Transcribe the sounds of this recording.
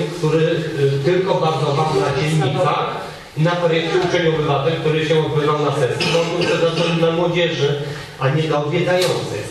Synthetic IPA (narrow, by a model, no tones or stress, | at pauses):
kt̪uɾɘt̪ɘlkɔbaɾd̪zɔvaʐnad͡ʑɛnːɲika | inat̪ɔɾjɛsut͡ʂɛɲɔbɘvat̪ɛlʲk̚t̪uɾɘɕɛɔd̪̚bɘvawnasɛɾt̪suzɔbuwsɛzatɛnnamwɔd͡ʑɛʐɘ | ʔaɲɛzaɔvʲjɛd̪ajɔnt̪sɘ̰